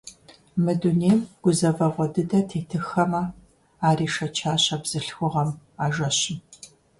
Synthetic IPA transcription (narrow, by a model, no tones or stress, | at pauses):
mɨduneːmɡ̥ʷʊzɐvɐʁʷɔdɨdɐtʰeːtʰɨxɐmɐ | aːriːʃɐt͡ʃʰaːɕɐbz̥ɨɬxʷʊʁɐmaːʒɐɕɪ